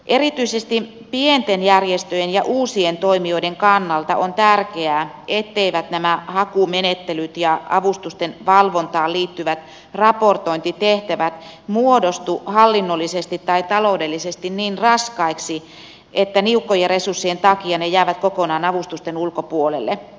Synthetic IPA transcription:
ʔerit̪yisest̪i | pient̪enjærjest̪øjenjɑʔuːsient̪oimioideŋkɑnːɑlt̪ɑ̰ʔont̪ærkeæː | et̪ːeiʋæt̪næmæhɑkumenet̪ːelyt̪jɑɑʋust̪ust̪enʋɑlʋont̪ɑːliːt̪ːyʋæt̪ | rɑport̪oint̪it̪eht̪æʋæt̪muodost̪uhɑlːinːolːisest̪it̪ːɑit̪ɑloudelːisest̪inniːnrɑskɑiksi | ʔet̪ːæniukːojɑresursːient̪ɑkiɑnejæːʋæt̪kokonɑːnɑʋust̪ust̪enulkopuolḛlːe

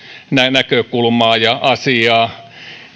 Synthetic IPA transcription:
nænækøkulmɑːjɑʔɑsiɑː

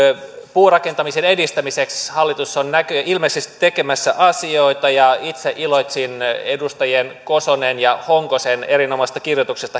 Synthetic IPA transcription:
puːrɑke̞nt̪ɑmisene̞dist̪æmisekshɑlːit̪usːonnækøʔilmesest̪i̥t̪e̞kemæsːæʔɑsioit̪ɑjɑit̪seʔilot̪ʲsinedust̪ɑjenkosonenjɑhoŋkosene̞rinomɑst̪ɑ̥kirjot̪uksest̪ɑ

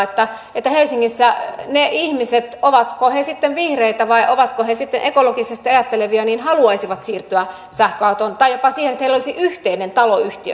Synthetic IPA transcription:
et̪ːæ | et̪ːæhelsiŋːisːæneʔihmiset̪oʋɑt̪kohesit̪ːeʋʋihreit̪æʋɑiʔoʋɑt̪kohesit̪ːenʔekolokisest̪iɑjɑt̪ːeleʋiɑniːnhɑluɑisiʋɑt̪siːrt̪yæ | sæhkɑut̪ont̪ɑijopɑsiːhenet̪heilolisiʔyht̪einent̪ɑloyht̪iø̰

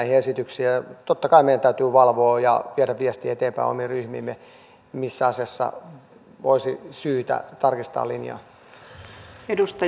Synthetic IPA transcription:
ihiesit̪yksiːt̪ot̪ːɑkɑimeijænt̪æyt̪yːʋɑlʋoːjɑ̰ʋiæɾæʋʋiɛst̪iːet̪eːmpæ̰ḭo̰miryhmḭːmːe | misːæɑsiɑsːɑ̰ | ʋoisisyːt̪æ̰t̪ɑrkist̪ɑ̰ːlinjɑ̰ː | edust̪ɑ

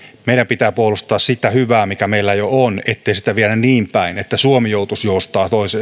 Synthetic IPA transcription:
meˑiɾæmpit̪æːpuolust̪ɑːssit̪æhyʋæːmikæmeilːæjoonet̪ːeˑisi̥t̪æʋiænænniːmpæinet̪ːæsuomijoˑut̪usjoˑust̪ɑːt̪oˑise

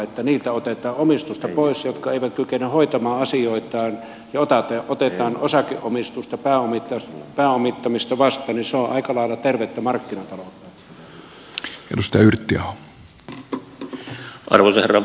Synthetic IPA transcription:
et̪ːæniːlt̪æot̪et̪ˑɑːomist̪ust̪ɑpoˑisjot̪kɑeˑiʋæt̪̚kykenyhoit̪ɑmɑːɑsioˑit̪ˑɑːn | jɑot̪ɑt̪eʔot̪et̪ɑːnosɑkḛʔʔomist̪ust̪ɑpæːomit̪ːɑpæːomit̪ːɑmist̪ɑʋɑst̪ˑɑːniseoʔɑ̰ikɑlɑˑelɑt̪erʋet̪ːæmɑrkːinɑt̪ɑlot̪ːˑɑ | ḛnusit̪æyrt̪ːiæo | ʔɑ̰rʋosɑherɑ

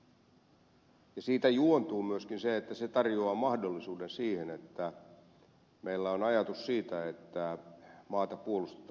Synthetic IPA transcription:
jɑsiːt̪æjuont̪uːmyøskinseet̪ːæset̪ɑrjoɑːmɑhdolːisuːdensiːhenet̪ːæ | mʔeilːæonɑjɑt̪ussiːt̪æet̪ːæmɑːt̪ɑpuolust̪e̥t̪

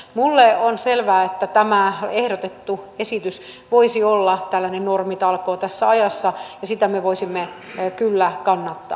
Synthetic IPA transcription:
mulːeonselʋæːet̪ːæt̪æmæehɾot̪et̪ːuesit̪ys | ʋoisiolːɑt̪ælːænennormit̪ɑlkoːt̪æsːæɑjɑsːɑjɑsit̪æmeʋoisimːe | kylːækɑnːɑt̪ːɑ̰ː

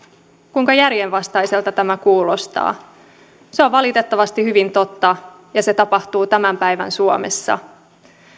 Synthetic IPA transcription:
kuiŋkɑjærjenʋɑst̪ɑjse̞lt̪ɑt̪æmækuːlo̞st̪ɑ̰ː | seo̞ʋʋɑlit̪e̞t̪ːɑʋɑst̪ihyʋint̪o̞t̪ːɑ | jɑse̞t̪ɑpɑht̪uːt̪æmæmpæjʋæ̰nsuo̰mḛsːɑ̰

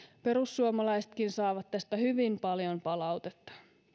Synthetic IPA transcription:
pe̞ɾusːuomɑlɑjset̪̚kinsɑːʋɑt̪ːæst̪æhyʋimpɑljo̞mpɑlɑwt̪et̪ːɑ̥

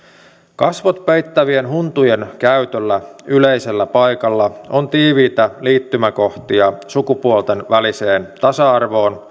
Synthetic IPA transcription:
kɑsʋot̪pe̞jt̪ːæʋie̞nɦunt̪uje̞nkæyt̪ølːæyleise̞lːæpɑjkɑlːɑont̪iːʋiːt̪æliːt̪ːymæko̞ht̪iɑsukupuolt̪e̞nʋælise̞ːnt̪ɑsɑɑrʋo̞ːn

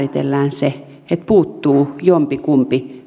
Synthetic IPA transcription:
rit̪ḛlːæːnse | et̪̚puːt̪ːuːjompikumpi

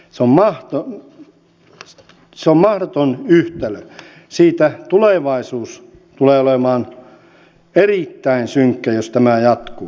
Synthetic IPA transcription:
seommɑht̪o | seommɑhdot̪onyht̪elø | siːt̪æt̪uleˑʋɑisuːs | t̪uleːolemɑːn | eriˑt̪ːæinsyŋkːæjost̪æmæjɑt̪ku

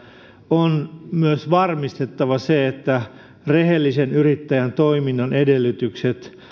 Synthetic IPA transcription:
onmyøsʋɑrmist̪et̪ːɑʋɑseet̪ːæ | rehelːisenyrit̪ːæjænt̪oiminːɑnʔedelːyt̪ykset̪

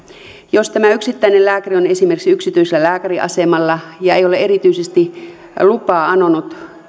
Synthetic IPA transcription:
jost̪æmæyksit̪ːæinelæːkærionesimerksiyksit̪yiselːælæːkæriʔɑ̰semɑlːɑjɑejoleeɾit̪yisest̪i | lupɑːɑnonut̪

